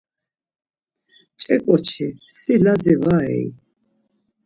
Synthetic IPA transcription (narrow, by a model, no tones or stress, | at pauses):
t͡ʃʼɛkʼɔt͡ʃʰisilazɛvaɛ̰i